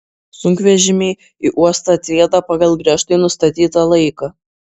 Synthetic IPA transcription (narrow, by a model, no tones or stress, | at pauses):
sʊŋʲkʋʲɛʒʲɪmʲeɪ | iʔuɔst̪ɐt̪ʲeːd̪ɐpɑɡɐlˠɡɾʲiɛʃt̪ɐɪnʊst̪ɐt̪ʲiːt̪ɐlˠɐɪkɐ